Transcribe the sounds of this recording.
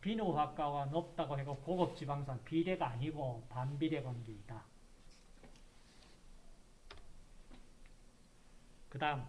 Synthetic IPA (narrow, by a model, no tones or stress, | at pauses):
pinoɸwak̚k͈aɡanʌp̚t͈aɡoɦe̞ɡokoɡʌp̚t͡ɕ͈ibaŋsʰanpide̞ɡaːɲiɡopambide̞ɡwanɡiida | kɯdaɯm